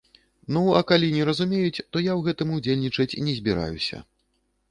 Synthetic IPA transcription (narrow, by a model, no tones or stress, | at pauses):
nuɐkalʲinʲɛɾɐzumʲejut͡sʲt̪ɔjawɣɛt̪ɨmud͡zʲelʲnʲit͡ʂɐt͡sʲinʲɛzʲbʲiɾa̰jṵsʲɐ̰